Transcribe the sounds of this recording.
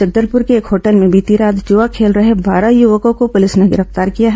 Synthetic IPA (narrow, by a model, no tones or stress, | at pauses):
t͡ʃɐd̪əɾpʊɾkeːkɦoːʈəlmẽbiːt̪iɾaːt̪d͡ʒʊʋakʰeːlɾɐɦebaːɾajʊʋəkõkopʊlɪsneɡɪɾəft̪aːɾkijaɦɛ